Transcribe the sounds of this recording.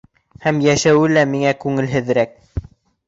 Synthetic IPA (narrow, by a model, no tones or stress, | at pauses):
hæmjæʃæwɘlæmiŋækʉŋɘ̆lɦɘ̆ðɾæk̚